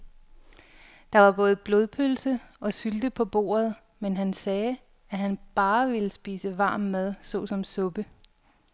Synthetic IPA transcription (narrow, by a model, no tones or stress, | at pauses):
d̥ɑ̈ʋɑ̈b̥ɔ̽ːð̞̩ˠb̥lo̝ðˠpʰølsəɒ̽syld̥əpʰɒ̽b̥o̝̰ːɐð̞̩ˠ | menɦænsɛː | æɦænb̥ɑ̈ːʋe̝ləsb̥ḭːsəʋɑ̈ːmːæð̞ˠsɔ̽sɒ̽msɔ̽b̥ə